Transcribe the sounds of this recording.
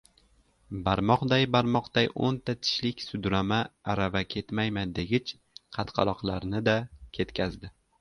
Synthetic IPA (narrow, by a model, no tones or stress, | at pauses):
baɾmɒqd̪ajbaɾmɒqd̪̥ajo̰nt̪ʰat̪ʰɪ̥ʃlɪkʲsʊd̪ɾamaːɾavakʲʰe̞t̪majmand̪e̞ɡʲɪt͡ʃ | qʰɑt̪qʰɑ̰lˠɒqlˠaɾnɪd̪akʲʰe̞t̪kʲʰazd̪ɪ